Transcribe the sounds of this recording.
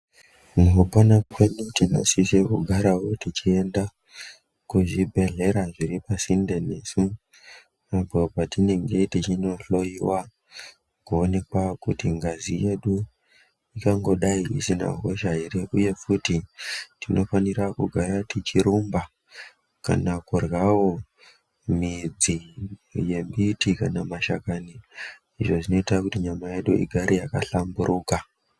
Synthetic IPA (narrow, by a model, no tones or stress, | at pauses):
muɦupanakwenutino̰sisekuɡʱaɾawo̞tit͡ʃie̞nda | kuʐibʱe̞ɮe̞ɾaʐiɾipasindene̞su | apopatine̞ŋɡe̞tit͡ʃino̞ɬo̞iwa | kuone̞kwakutiŋɡazije̞ɗu | ikaŋɡo̞ɗaiḭsina̰ɦo̞ʃaireʔuje̞futitino̞fanirakuɡʱaɾatit͡ʃiɾumba | ka̰nakurwawo̞ | mid͡zije̞mbitikanamaʃa̰kani | iʐo̞ʐino̞itakutiɲamaje̞ɗuḭɡʱaɾijakaɬambuɾʔuka